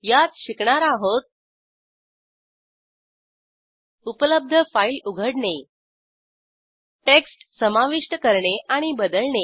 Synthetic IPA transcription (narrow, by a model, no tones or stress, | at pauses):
jat̪ɕikɳaɾaɦot̪̚ | upləb̚d̪ʱəfailuɡʱəɽɳe | ʈeksʈsəmaʋiʂʈəkəɾɳeʔaɽ̃ibəd̪əlɳe